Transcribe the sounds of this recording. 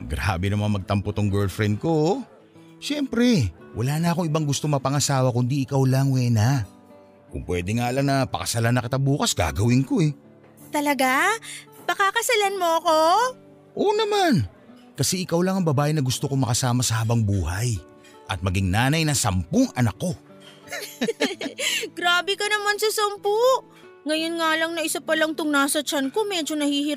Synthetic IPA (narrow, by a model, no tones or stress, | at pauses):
ɡɾa̰ːbɛnɐmɐŋamɐɡ̚t̪ɐmpot̪oŋɡɛlfɾɛnd̪̚ko̞ | ʃɛmpɾɛwʔɐlaːnɐɐkoŋʔɪbaŋɡʊst̪o̞mɐpɐŋɐsaːwɐkʊnd̪iɪkawlaŋwɛːna | kʊ̰ŋpwɛːd̪ɛŋaːʔɐlɐŋnɐpɐ̰kɐsɐlanːɐkɪt̪ɐbuːkɐsɡa̰ːɡɐwɪŋko̞ɛ | t̪ɐlɐɡapɐkaːkɐsɐlanmoɐko | ʔoːnɐman | kɐsɛʔɪkawlɐŋɐŋbɐbaːʔɪnɐɡʊst̪okoŋmɐkɐsaːmɐsɐhaːbɐŋbuːɦɐj | ʔɐt̪̚mɐɡiŋnaːnɐjnɐsɐmpʊŋʔɐnakːo̞ | ɡ̥ɾaːbɛkɐnɐmansɐsɐmpʊʔ | ŋɐjo̞nŋaːlɐŋnɐʔɪsapɐlɐŋt̪ʊŋnaːsɐt͡ʃɐnkomɛd͡ʒo̞nɐhiːhɪɾ